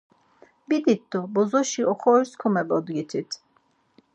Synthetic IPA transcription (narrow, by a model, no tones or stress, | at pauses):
bid̪it̪ːɔbɔzɔʃiɔkʰɔɾskʰɔmɛbɔd̪ɡit̪ʰit̪